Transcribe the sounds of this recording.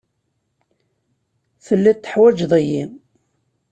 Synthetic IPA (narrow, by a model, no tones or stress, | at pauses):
θəlːit̪ːəħwæd͡ʒðˤəjim